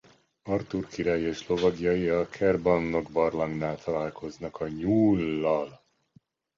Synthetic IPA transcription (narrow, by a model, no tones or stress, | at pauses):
ɒrt̪urkiɾaːjieːʃlo̞vɒɡjɒjiɒkʰɛrbɒnːo̞ɡbɒrlɒŋɡnaːlt̪ʰɒlaːlkʰo̞znɒkɒɲuːlːɒl